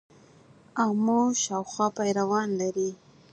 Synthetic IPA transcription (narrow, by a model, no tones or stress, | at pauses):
amoʃɑwxwɑpajɾawɑnlaɾi